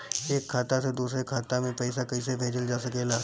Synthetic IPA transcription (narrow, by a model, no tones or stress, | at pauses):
eːkʰːaːt̪ased̪uːsɾekʰaːt̪amẽpɛɪsakɐis̬ebʱeːd͡ʒəld͡ʒaːsɐkeːlaː